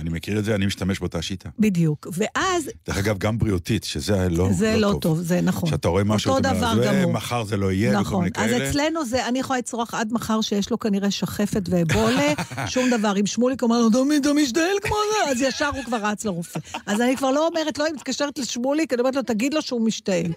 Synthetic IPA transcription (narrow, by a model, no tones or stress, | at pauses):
animekiʁedzeanimiʃt̪ameʃbeot̪aʃit̪ʰabid̪jukve̞ʔazd̥eχaɡavɡambʁiot̪it̪ʃezelozelo̞vt̪ovzenaχoʃeat̪aʁoemaoʃuod̪avvaʁɡamumaχaʁzeloijenaχo̞nʔazet͡slenuzeanijaχolait͡sʁoaχad̪maχaʁʃejeʃlo̞kaniʁe̞ʃaχe̞fe̞t̪veboleʃumd̪avaʁimʃmulikomeʁlod̪omit̪amiʃ̬taelkmozeazjaʃaʁhukvaʁat͡sleʁufeazanikvaʁlo̞ːmeʁetloimit̪̚kaʃeʁet̪leʃmulikaniometlot̪aɡid̪lo̞ʃeumiʃtae̞l